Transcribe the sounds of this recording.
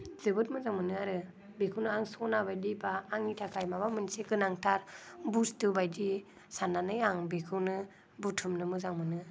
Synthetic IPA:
zɯbɯt̚mɯzaŋmɯnɯaɾɯ | bekʰɯwnɯaŋsɔnabajdibaːŋitʰakʰajmaβamɯnseɡɯnaŋtʰaɾbustɯbajdi | sananɯjaŋbekʰɯwnɯ | butʰumnɯmɯzaŋmɯnɯ

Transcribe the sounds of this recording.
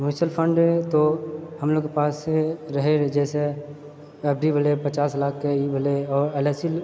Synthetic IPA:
jusəlpʰə̃ɳɖet̪ohɐmloːɡkepaːseɾɐɦeɾd͡ʒɛːse | pɛːbɾibəlepət͡ʃaːslaːkʰkeibʱəleɔːɾɛlɛːsil

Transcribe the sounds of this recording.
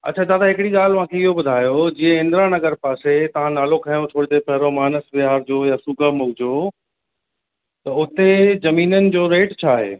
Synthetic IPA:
ɐ̰tːt͡ɕʰad͡ʑaːt̪ʰaɦɪkɪɽiɠaːl̤ʊʋ̤ãkʰeɪɦobʊd̪ʱaːjod͡ʑiːə̃ɪ̃nd̪ɾãnɐɡəɾpaːset̪ɐʋ̤ãnaːlokʰajõt̪ʰoːɽid̪epɐɦɪɾomaːnəsbɪɦaːɾd͡ʑoːjasʊɡəmʊɡd͡ʑoː | t̪ɐʊt̪ezɐmiːnənɪ̆d͡ʑoːɾeːʈt͡ɕʰaːɦḛː

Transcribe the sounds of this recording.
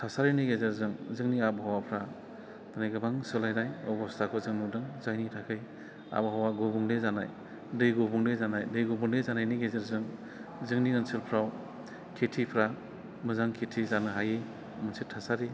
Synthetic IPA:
tʰasaɾenɯɡezeɾzɯŋzɯŋniabɦawapʰɾa | t̪ʰanajɡɯbaŋsɯlajnajɔbɔstʰakʰɔzɯŋnudɯŋzajnitʰakʰɯj | a̰bɦawaɡɔbuŋdezana̰j | dɯjɡɔbuŋdezanajdɯjɡobuŋdezanajniɡezeɾzɯŋ | zɯŋniɯnsɯlpʰɾaw | kʰetʰipʰɾa | mɯzaŋkʰetʰizanɯɦajej | mɯnsetʰasaɾe

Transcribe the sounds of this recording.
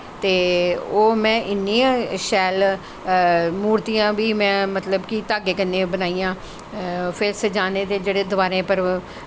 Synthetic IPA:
t̪eːoːmɛ̃ːʔɪnːiːãːʃɛːl | muːɾt̪ijãːʋiːmɛ̃ːmət̪ləbkit̪aːɡeːkənːẽːbənaːiːãː | pʰɪsəd͡ʒaːneːt̪eːd͡ʒeːɽeːd̪ʊʋaːɾẽːpəɾ

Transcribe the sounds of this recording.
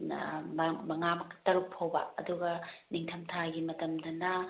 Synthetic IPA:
mɐŋamɐktɐɾuk̚pʰowbɐ̰ɐduɡɐniŋtʰɐmtʰaɡimɐtɐmdɐnɐ

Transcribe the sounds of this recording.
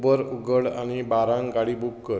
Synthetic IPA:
bəɾuɡəɽa̰ñibaɾãŋkaɽiːbukːəɾ

